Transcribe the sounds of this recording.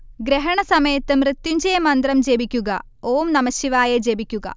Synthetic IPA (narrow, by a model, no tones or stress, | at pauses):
ɡɾeɦɐɳɐsɐmɐjɐt̪ːɨmrɨt̪ːuɲd͡ʑejɐmɐnd̪rɐmd͡ʑebikʲːuɣɐ | oːmnɐmɐɕiʋaːjɐd͡ʑebikʲːuɡɐ̰